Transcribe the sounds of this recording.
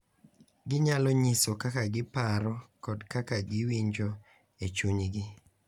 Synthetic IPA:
ɡɪɲalɔɲisokakaɡɪpaɾɔkɔdkakaɡɪwiɲd͡ʒo | et͡ʃuɲɡɪ

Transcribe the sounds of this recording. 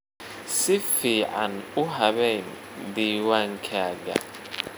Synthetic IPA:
sifia̰nuɦaβɛn | diwaŋkʰaːɡa̰

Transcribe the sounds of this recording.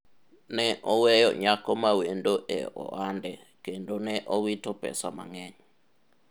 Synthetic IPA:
nɛʔɔwɛjɔ̰ɲakɔmawendoʔɛ̰ɔ̰andɛ | kendonɛʔɔwitɔpɛ̰sama̰ŋɛɲɔ

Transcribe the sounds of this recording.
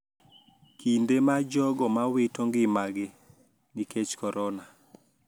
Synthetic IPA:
kindemad͡ʒɔɡɔmawɪtoŋɡɪmaɡɪ | niket͡ʃkɔɾʔɔna

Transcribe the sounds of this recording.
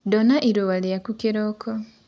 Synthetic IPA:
dɔnaʔiɾowaleakukeɾɔkʰɔ

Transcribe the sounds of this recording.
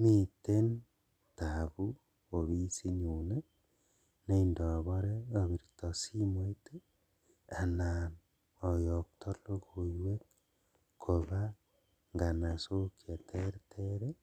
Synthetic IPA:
miten | taβu | oβisiɲune | neindɔβɔɾeoβiɾtɔsimoite | anan | ɔjok̚tɔlokojwek̚ | kʰoβa | ŋɡanasokjatʰeɾtʰeɾe

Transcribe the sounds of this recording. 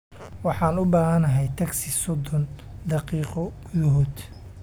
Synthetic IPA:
wɑħɑːnʊbaːɦɐnɐɦɛjt̪ʰɐɡsɪsɔd̪ɔnd̪ɑqiːqɔ | jʊɦʊd̪

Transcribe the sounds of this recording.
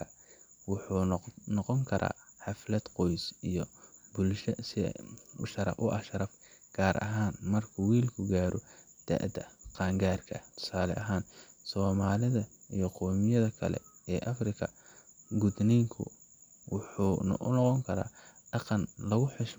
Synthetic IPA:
ɐ | wʊħuːnɔqɔŋkʰɐɾʔa̰ːħɑflɐd̪qɔjsijɔbʊlʃɐsɪ̰ʃɐɾɐ̰fʊʔɐʃɐɾɐfɡ̥aːɾʔɐ̰ɦaːnmɐrkʰʊwiːlkʰʊɡaːɾʔɔd̪̥ɐ̰ʔd̪ɐqɑːŋɡaːrkʰɐ̰t̪ʰʊ̥saːlɛ̰ʔɐɦaːnsɔːmaːlɪðɐijɞqɔːmɪjɐðɐkʰɐlɛ̰ɛːʔɐfrɪkʰɐɡʊd̪nɛjŋkʰʊ̰ | wʊħṵːʔnɔqɔŋkʰɐɾa̰ːɖ̥ɑqɑnlɐɣʊħɪʃ

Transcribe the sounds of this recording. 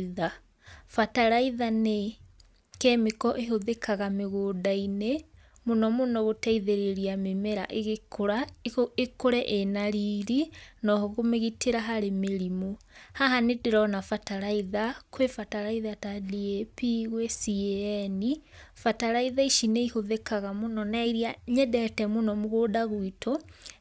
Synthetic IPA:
ða | fataɾaiðane | kɛmikɔʔeɦoðekʰaɣameɣoːdaine | monɔmonɔɣotɛiðeɾeɾiamemɛɾa̰ʔeɣekoɾaekoɾɛʔenaɾiɾinɔɦɔɣomeɣitʰeɾaɦaɾemeɾimo | haɦanedeɾɔnafataɾaiðakwefataɾaiðatadiepiɣwesiɛɛnifataɾaiðaiʃineihoðekaɣamonɔnaiɾiaɲɛdɛtɛmonɔmoɣoːdaɣwitʰɔ

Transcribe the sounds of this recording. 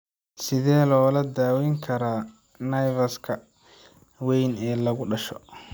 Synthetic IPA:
sɪðɛːlɔːlɐd̪aːwɛjŋkʰɐɾaː | nɐjvɐskʰɐ | wɛjnɛːlɐɣʊɖɐʃɔ

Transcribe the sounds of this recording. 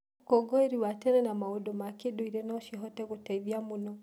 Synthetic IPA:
kɔɡɔeɾiwatɛɾɛnamaodomakedoiɾɛnɔʃiɦɔtɛɣotaiðiamunɔ

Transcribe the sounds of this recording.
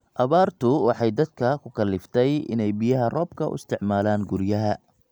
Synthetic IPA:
ʔɐβaːrt̪ʰʊwɑħɑjd̪ɐd̪̚kʰɐkʰʊkʰɐlːɪft̪ʰɛjɪ̰nɛjbɪjɐɦɐrɔːb̚kʰɐʊ̰ɪ̰st̪ʰɪʕmaːlaːŋɡʊɾjɐɦɐ

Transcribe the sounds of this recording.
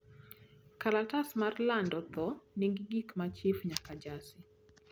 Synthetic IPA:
kalatasmarlandɔt̪ɔniŋɡiɡikmat͡ʃɪfɲakad͡ʒasɪ

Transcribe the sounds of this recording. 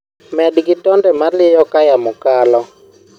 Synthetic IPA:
mɛdɡɪtɔndɛmalɪjɔkajamʊkalɔ

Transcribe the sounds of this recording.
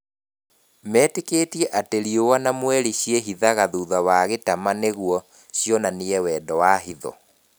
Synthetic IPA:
mɛːtekeːtiɛʔateɾiowanamwɛɾiɕjeɦiðaɣaðuːðawaɣetamaneɣwɔ | ɕjɔnaneɛwɛːdɔwaɦiðɔ̰

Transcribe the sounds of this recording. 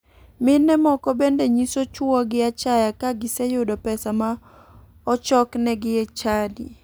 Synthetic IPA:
mɪnɛmɔkɔbendeɲisot͡ʃwɔɡɪat͡ʃajakaɡɪsejʊdɔpɛsama | ɔt͡ʃɔknɛɡɪɛt͡ʃadḭ

